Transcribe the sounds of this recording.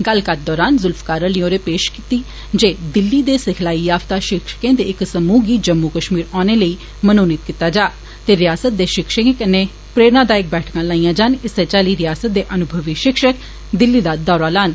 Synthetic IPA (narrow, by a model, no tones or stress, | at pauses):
ɡəlkat̪̚d̪ɔːɾaːnzʊlfkaːɾəlioːɾeːpeːʃkit̪iː | d͡ʒeːd̪ɪlːiːd̪eːsɪkʰlaːiːjaːft̪aːʃɪkʃə̥kẽːd̪eːɪksəmuːɡiːd͡ʒəmːuːkəʃmiːɾaːneːləiː | mənoːnɪt̪̚kiːt̪ːaːd͡ʒaː | t̪eːɾɪjaːsət̪̚d̪eːʃɪkʃəẽkənːeː | pɾeːɾnãːd̪aːɪk̚bɛːʈʰkãːlaːĩːãːd͡ʒaːnɪseːt͡ʃaːliːɾɪjaːsət̪̚d̪eːʔənʊbʱəʋiʃɪkʃək | d̪ɪlːiːd̪aːd̪ɔːɾaːlaːn